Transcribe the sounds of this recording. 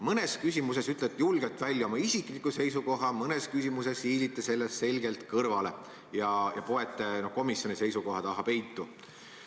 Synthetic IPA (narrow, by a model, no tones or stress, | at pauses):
mɤne̞skysʲimuse̞syt̪ˑlet̪ːjulɡ̥et̪ːˑvælʲːjɑo̞mɑisiklikːˑuse̞jsuko̞ɦɑmɤne̞skysimuse̞shiːd̪it̪ːˑese̞lːesse̞lɡe̞lt̪kɤrvɑle̞ | jɑjɑ̰po̞e̞t̪ːˑeno̞hko̞misjo̞nise̞jsuko̞ɦɑt̪ɑɦɑpe̞jt̪ːu